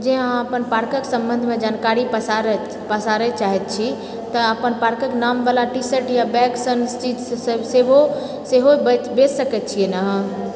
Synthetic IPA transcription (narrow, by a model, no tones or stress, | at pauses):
d͡ʒẽɦãəpənpaɾkəksə̃mbənd̪ʱmed͡ʒankaɾipaɾ | pəsaɾɛt͡ʃaɦɛt̪̚t͡ʃʰi | t̪əəpənpaɾkəknambalaʈisəʈjabɛksənst͡ʃid͡ʒsəbsebo | seɦobbessəkɛt̪̚t͡ʃʰijenaɦã